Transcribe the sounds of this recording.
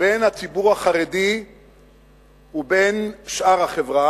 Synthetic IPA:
benhat͡sibuʁhaχaʁedi | ubenʃʔaʁhaχevʁa

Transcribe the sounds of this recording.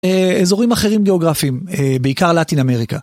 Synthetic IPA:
eezo̞ʁimaχe̞ʁimɡeo̞ɡʁafimebeikaʁlatiname̞ʁika

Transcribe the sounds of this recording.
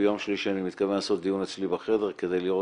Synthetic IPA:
jomʃliʃianimit̪kavenlasot̪̚d̪ijunet͡slibeχedeʁke̞d̪ejliʁo

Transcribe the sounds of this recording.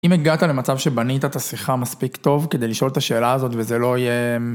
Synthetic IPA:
ʔimeɡat̪ale̞mat͡savʃe̞banit̪at̪asiχamaspikt̪o̞vked̪e̞jliʃo̞lt̪aʃe̞ːlaːzo̞tvezelo̞ije

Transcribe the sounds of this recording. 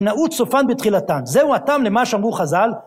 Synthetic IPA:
naut̪sofanbet̪χilat̪anzeuatamlemaʃeamʁuχazal

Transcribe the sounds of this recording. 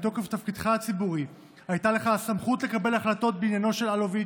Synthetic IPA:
t̪o̞keft̪afkidχaat͡sibuʁi | hajtale̞χasamχutle̞kabe̞laχlato̞t̪̚beinjano̞ʃe̞lalovi

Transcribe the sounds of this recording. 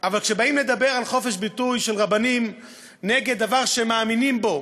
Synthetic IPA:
ʔavalkʃebaimled̪abeʁalχofeʃbitujʃelʁabanim | neɡed̪dːavaʁʃemaːminimbo

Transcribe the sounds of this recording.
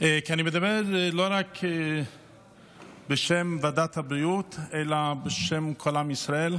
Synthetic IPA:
ʔekianimed̪abeʁloʁake | beʃemvad̪at̪habɾiut̪elabeʃemkʰolamisʁael

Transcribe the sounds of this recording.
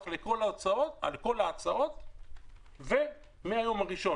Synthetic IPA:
χleko̞lat͡sao̞t̪a̰lko̞laːt͡sao̞t̪ | ve | meajo̞maʁiʃo̞

